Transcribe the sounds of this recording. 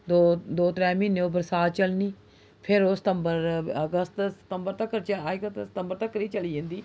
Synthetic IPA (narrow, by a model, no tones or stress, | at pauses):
d̪oːd̪oːt̪ɾɛ̃ːmɪnːeoːbəɾsaːt̪t͡ʃəlniː | pʰɪɾoːsɪ̥t̪əmbəɾəɡəst̪sə̥t̪əmbəɾt̪əkːɾt͡ʃək̪sɪ̥t̪əmbəɾt̪əkːɾiːt͡ʃəliːd͡ʒẽːnd̪iː